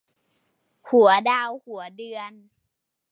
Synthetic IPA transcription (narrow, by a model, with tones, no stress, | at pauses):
hu˩˦ədaː˧whu˨˩˦ədɯ˧ən